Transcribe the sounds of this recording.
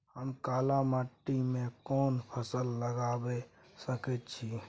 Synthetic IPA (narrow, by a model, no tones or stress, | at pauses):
həmkaːlamaʈːimẽkɔːnpʰəsəlːəɡabe | səkɛt̪t͡ʃʰi